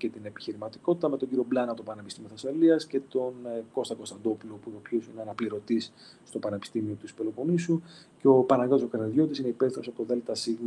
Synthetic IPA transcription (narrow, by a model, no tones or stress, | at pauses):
ce̞t̪ine̞pi̥çiɾimɐt̪i̥ko̞t̪i̥t̪ɐmet̪o̞ɲɟiɾio̞blɐnɐpt̪opɐnepist̪imioθɐsfɐliɐsce̞t̪o̞nko̞st̪ɐko̞st̪ɐnd̪o̞pulopuopçosineɐnɐpliɾo̞t̪isː | t̪o̞pɐne̞pi̥st̪imio̞t̪ispelo̞ponisuceo̞pɐnɐɣɐosokɐɾniðʝo̞t̪isineipeθinosɐpoðelet̪ɐsiɣm